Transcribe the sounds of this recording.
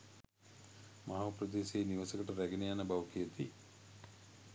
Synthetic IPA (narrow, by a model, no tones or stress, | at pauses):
maɦaːpɾəd̪eːseːniʋasəkəʈəɾæɡenejanəbaʋkijət̪i